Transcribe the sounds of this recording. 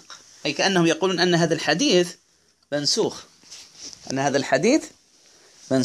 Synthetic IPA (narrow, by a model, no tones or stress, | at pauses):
q | ʔajkaʔanːahʊmjɑquːluːnʔanːaɦaːðalħad̪iːθ | mansuːx | ʔa̰nːahaːðalħad̪iːθ | man